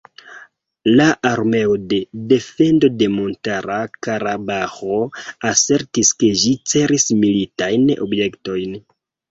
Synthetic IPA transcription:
laʔaɾme̞o̞de̞de̞fe̞ndo̞de̞mo̞ntaɾakaɾabaxo̞ase̞ɾtiske̞ʒit͡se̞ɾismilitajno̞̰bje̞kto̞jn

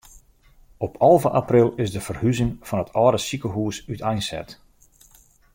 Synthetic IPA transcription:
ɔpʰɑlˠvəʔaprɪlˠɪsdəfərhyzɪŋfɔnətʰɔːɾəsikəɦuəsytʰɛjnsɛ̰t

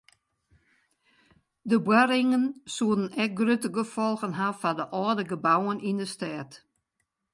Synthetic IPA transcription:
dəbwaɾɪŋənsuədən̩ɛk̚ɡrøtəɡəfɔlˠɣənɦafadəʔɔːdəɡəbawənʔindəstɛːt

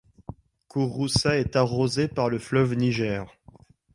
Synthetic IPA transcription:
kʰuʁusaɛt̪aʁozepaʁləflœvniʒɛːʁ

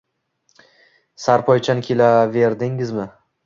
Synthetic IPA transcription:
saɾpʰɒjt͡ʃʰankʲʰelave̞ɾd̪ɪŋɪzmɪ

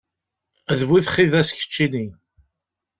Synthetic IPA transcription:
ðwiðχiðæsçə̥t͡ʃːini

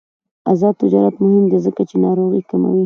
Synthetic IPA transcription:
azɑd̪̚t̪ɪd͡ʒɑɾat̪mʊhɪmd̪ezəkat͡ʃenɑɾoɣikama̰wi

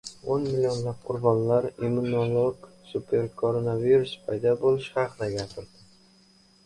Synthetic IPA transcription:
onmɪlʲijo̞nlap̚qʰʊɾbɒnlaɾimʊnolˠoɡsupʰe̞ɾkʰoɾonaviɾuspʰɑjd̪ɒbolɪʃhɑqʰɨd̪aɡʲapʰɪɾd̪ɪ

